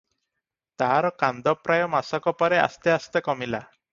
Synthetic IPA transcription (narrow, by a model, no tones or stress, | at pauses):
t̪aɦaɾɔkand̪ɔpɾajɔmasɔkɔpɔɾea̰st̪east̪ekɔmila̰